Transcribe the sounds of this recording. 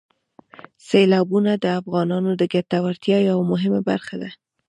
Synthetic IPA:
selɑbunad̪əafɣɑnɑnod̪əɡat̪awaɾt̪jɑjjawmʊɦɪmabaɾxad̪a

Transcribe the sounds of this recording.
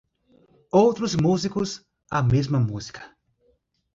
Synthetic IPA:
owt̪ɾʊzmuzikʊz | ɐmezmɐmuz̥i̥kʰɐ̥

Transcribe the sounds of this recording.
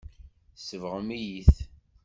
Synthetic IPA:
səvʁəmijiθ

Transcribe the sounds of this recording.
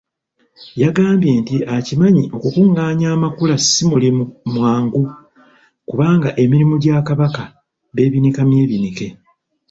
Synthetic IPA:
jaɡaːmbje̞ːntiʔacimaɲiʔo̞kukuŋɡaːɲaːmakulasimulimumwaːŋɡu | kuβaːŋɡaʔe̞miɾimuɟaːkaβaka | βe̞ːβinikamje̞ːβinike̞

